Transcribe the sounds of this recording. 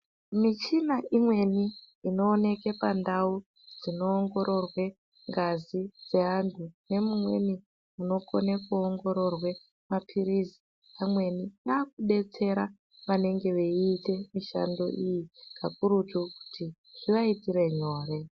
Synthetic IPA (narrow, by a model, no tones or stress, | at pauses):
mit͡ʃinaʔimwe̞niː | no̞ːne̞ke̞pandau | d͡zino̞ːŋɡo̞ɾo̞rwe̞ | ŋɡazid͡ze̞antʰune̞mumwe̞̰ni | muno̞konekuoŋɡo̞ɾo̞rwe̞ | mapʰiɾizi | amwe̞ninaːk̚uɗe̞t͡se̞ɾa | ʋane̞ŋɡe̞ʋeiːte̞miʃa̰ndo̞̰ʔijikʰakuɾutuku̥ti | ʐ̥iʋaitiɾe̞ɲo̞ːre̞